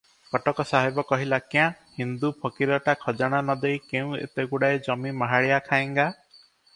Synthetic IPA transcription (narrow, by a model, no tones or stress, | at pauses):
kɔʈɔkɔsaɦebɔkɔɦilakjã | hind̪upʰɔkiɾɔʈakʰɔd͡ʒaɽ̃anɔd̪ejkeũḛt̪eɡuɽajd͡ʒɔmimaɦaɭijakʰaeŋɡa